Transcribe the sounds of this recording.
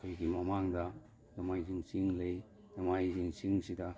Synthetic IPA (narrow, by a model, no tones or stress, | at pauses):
kʰojɡimɐmaŋdɐ | dɐmajziŋsiŋlej | dɐmajziŋsiŋsidɐ